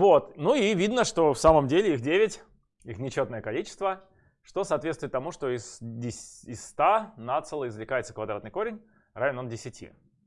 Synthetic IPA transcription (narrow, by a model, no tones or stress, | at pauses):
vot̪nuivʲid̪nəʂt̪o̞fsaməmdʲelʲɪixdʲevʲɪtʲ | ixnʲɪt͡ɕo̞t̪nəjəkɐlʲit͡ɕɪ̥st̪və | ʂt̪o̞sɐaːt̪vʲet̪st̪ʊɪt̪ːɐmuʂt̪o̞ɪsdʲɪɪsːt̪anat̪sɨlˠəɪzvlʲɪkajɪt̪səkvɐd̪ɾat̪nɨjko̞ɾʲɪnʲ | ɾavʲɪnondʲɪsʲɪtʲḭ